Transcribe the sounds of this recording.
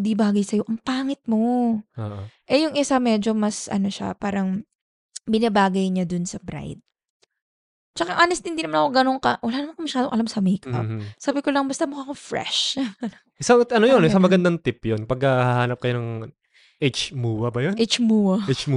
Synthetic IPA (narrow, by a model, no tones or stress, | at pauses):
d̪ibaːɡɐjsɐjo̞ʔɐŋpaːŋɪt̪̚mo̞oʔoʔɛjʊŋʔɪsamɛd͡ʒo̞mɐsʔɐ̰no̞ʃa̰paːɾɐŋ | bɪnɐbaːɡɐjɲad̪ʊnsɐbɾa̰jd̪̚ | t͡ʃɐkaʔaːnɛst̪hɪnd̪inɐmanɐkoɡɐnoŋkɐwɐlaːnɐmankɐmɐʃaːd̪oŋʔɐlamsɐmɛjkʔɐ̰psaːbɪkolɐŋbɐst̪ɐmokakofɹɛ̰ʃɐɐ | ɪsaʔɐnojonɪsamɐɡɐnd̪aŋt̪ɪpjonpɐɡɐahaːnɐp̚kɐjonɐŋ | ʔet͡ʃmuːwɐbɐjonet͡ʃmuːwɐt͡ʃm